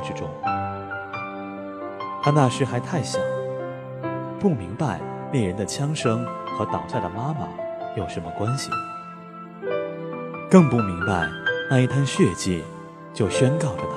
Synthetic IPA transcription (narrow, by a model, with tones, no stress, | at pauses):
ʈ͡ʂɻ̩˥ʈ͡ʂʊ˥ŋ | t̪ʰa˥na˥˩ʂɻ̩˥xa˧˥ɪt̪ʰa˥˩ɪɕḭ˨˩˦ŋ | pu˥˩mi˧˥ŋpa˥˧ɪne˥˩ɪɻə˧˥nd̪ə˨t͡ɕʰjɑ˥ŋʂɤ˥ŋxɤ˧˥t̪ɑ˨˩ʊt͡sa˥˩ɪd̪ə˩ma˥mə̰˨˩jo˨˩ʊʂə˧˥nmə˧kwa˥nɕḭ˨˩ | kɤ˥˧ŋpu˥˩mi˧˥ŋpa˧ɪna˥˧i˥˩t̪ʰja˥nɕɥɛ˥˧t͡ɕḭ˥˩ | t͡ɕjo˥˩ʊɕɥɛ˥nkɑ˥˩ʊʈ͡ʂə˩t̪ʰ